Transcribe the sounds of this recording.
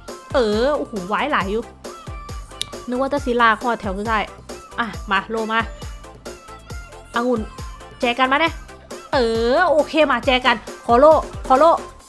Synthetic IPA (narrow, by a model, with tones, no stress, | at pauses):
ʔɤː˧ʔoː˧hoː˨˦waː˧˦˨jlaː˨˦jːuː˧˦ | nɯ˧˦ŋwaː˧t͡ɕa˧˩si˧˦laː˧˩kʰɔː˧˩t̪ʰɛ˧˩˦wkʰɯː˧aː˥˩jʔa˧˩maː˧loː˧˨maː˧˦ | ʔa˧ŋu˧˩˨n | t͡ɕɛː˧˩ka˧nmaː˧nɛ˧˦ | ʔɤː˧˩ʔoː˧˦kʰeː˧maː˧˩t͡ɕɛː˧ka˧nkʰɔː˨˧˦loː˧˥˨kʰɔː˧˦loː˧˥˩